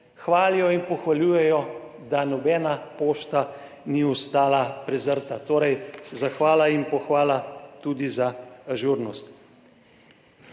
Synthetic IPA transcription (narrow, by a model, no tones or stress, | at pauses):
xʋaːlijɔinpɔxʋalʲjuːjɛjɔd̪anɔbɛːnapoːʃt̪a | niɔst̪aːlapɾɛzəɾt̪at̪oːɾɛjzaxʋaːlainpɔxʋaːlat̪ud̪izaːʒuɾnɔst̪